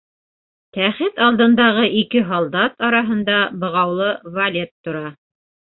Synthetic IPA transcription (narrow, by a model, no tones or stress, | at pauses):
t̪æχɘt̪ɑlˠd̪ɤ̆nd̪ɑʁɤʔikɘɦɑlˠd̪ɑt̪ɑɾɑɦɤ̆nd̪ɑbɤ̆ʁɑwlˠɤvɐlʲet̪ːŏɾɑ